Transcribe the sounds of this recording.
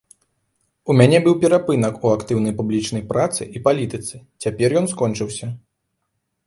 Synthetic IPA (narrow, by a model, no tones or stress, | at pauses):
umʲanʲɛbɨwpʲɛɾapɨnɐkuakt̪ɨwnɐjpublʲit͡ʂn̪ɐjpɾat̪sɨ̰ʔipalʲit̪ɨt̪sɨt͡sʲapʲɛrjɔnskɔnt͡ʂɨwsʲɐ